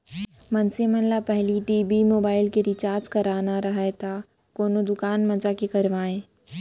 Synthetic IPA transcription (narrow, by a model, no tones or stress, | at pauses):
mɐ̃nsemɐ̃nlapɛɦliʈiːbimoːbaːɪlkeɾɪt͡ʃaːɾd͡ʒkɐɾaːnaɾɐɦet̪ʰa | koːnod̪ʊkaːnmɐd͡ʒakekɐɾʋaːẽː